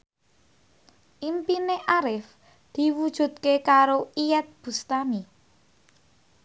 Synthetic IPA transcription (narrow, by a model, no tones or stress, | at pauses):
ʔimpineʔaɾɪf | d̪̥i̤wud̥ʒ̥ṳt̪̚kekaɾoiɛt̪̚b̥ṳst̪ami